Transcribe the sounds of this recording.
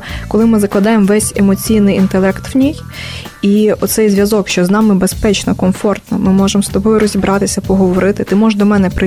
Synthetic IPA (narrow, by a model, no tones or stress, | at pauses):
kɔlˠɪmɪzɐklˠɐd̪ɑjemʋɛsʲemɔt͡sʲijnɪjint̪elˠɛkt̪ʋnʲij | iɔt̪sɛjzʲʋʲjɐzɔkʃt͡ʃɔznɑmɪbespɛt͡ʃnɔkɔmfɔrt̪nɔmɪmɔʒemst̪ɔbɔjʊɾɔzʲibɾʔɑt̪ɪsʲɐpɔɦɔʋɔɾɪt̪ɪt̪ɪmɔʒd̪ɔmɛnɛpɾɪ